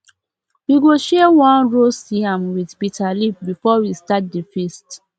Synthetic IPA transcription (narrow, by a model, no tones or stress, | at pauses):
wiɡoʃɛwãnɹosiãmwidbitʰalip̚bifɔwistat̚difɛst